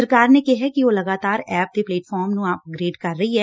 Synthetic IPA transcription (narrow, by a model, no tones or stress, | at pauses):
əɾkaːɾnekeɦɛkiʋoːlɐɡaːt̪aːɾɛːp̚d̪epleːʈfʰɔːɾmnũaːpəɡɾeːɖkɐɾːɐɦiɦɛː